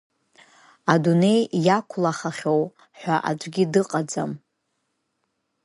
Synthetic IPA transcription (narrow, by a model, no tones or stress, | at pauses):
adune̞jjakʷʰlaχaχʲo̞w | ħʷᶣaʔa̰d͡ʒʷʼɡʲidɨqʼad͡za̰m